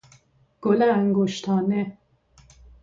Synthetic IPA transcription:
ɡ̥olææŋɡoʃt̪ʰɑːne

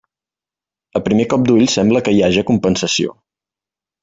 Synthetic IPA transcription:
əpɾimekɔp̚d̪uʎsɛmbləkəiaʒəkumpənsəsio̰

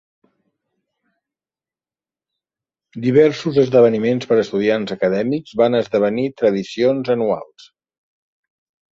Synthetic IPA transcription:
d̪iβ̞ɛɾsuzəzðəβ̞ənimenspəɾəst̪uðianzəkəðɛmikzβanəzðəβ̞ənit̪ɾəðisionzənua̰lˠs

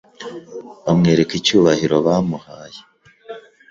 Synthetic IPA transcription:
βamŋe̞ːɾekicuːβahiɾo̞βaːmuhaːje

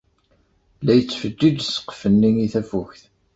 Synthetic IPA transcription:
læjət͡sːfəd͡ʒːid͡ʒsə̥qfənːiŋiθæfuçθ

